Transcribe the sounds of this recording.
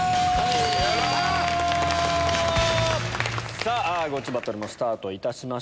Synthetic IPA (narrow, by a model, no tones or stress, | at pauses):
saːaɡo̞t͡ɕibat̪oɾɯmo̞sɨ̥t̪aːt̪o̞it̪aɕima